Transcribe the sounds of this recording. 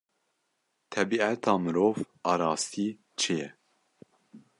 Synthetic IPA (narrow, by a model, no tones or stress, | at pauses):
t̪ʰɛbiːæt̪ʰɑːmɨɾoːv | ɑːɾɑːst̪iː | t͡ʃʰejɛ